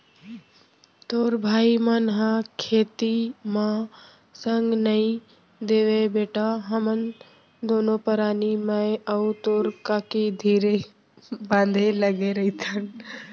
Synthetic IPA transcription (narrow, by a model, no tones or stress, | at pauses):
t̪oːɾbʱaːimənɦãkʰeːt̪imã | səŋɡnəĩ | d̪eːʋebeːʈaɦəmən | d̪oːnopəɾaːnimə̃əut̪oːɾkaːkid̪ʱiːɾe | bãːnd̪ʱeləɡeɾɐit̪ʰən